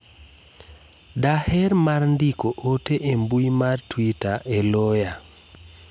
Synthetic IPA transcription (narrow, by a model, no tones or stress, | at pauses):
dahɛrmarndikoʔoteʔembuimartwitaʔeloja